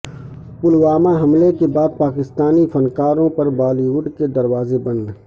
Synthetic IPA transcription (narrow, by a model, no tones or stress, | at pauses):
pʊlwaːmaɦɐmlekebaːd̪̚paːkɪst̪aːnifʰɐnkaːɾõpɐɾbaːliwʊɖked̪ɐɾwaːzebɐn